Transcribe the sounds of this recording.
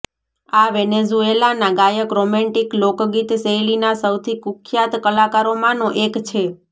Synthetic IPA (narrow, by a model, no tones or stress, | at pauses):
aʋɛnezuelanaɡajəkɾomɛ̃ɳʈiklokɡit̪sejlinasəwt̪ʰikukʰjat̪kəlakaɾomãnoʔekt͡ʃʰe